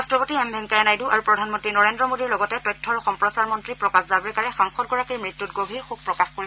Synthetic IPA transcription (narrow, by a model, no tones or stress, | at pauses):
astɹɔpotiɛmbʱɛŋkajanajduʔaɹupɹɔdʱanmɔntɹinɔɹendɹɔmodiɹlɔɡɔtɛtɔjtʰːɔɹɔxɔmpɹɔsaɹmɔntɹipɹɔkaszabɹɛkaɹɛxamxɔt̚ɡɔɹakiɹmɹitːutɡobʱiɹxuɡ̚pɹɔkaxkoɹi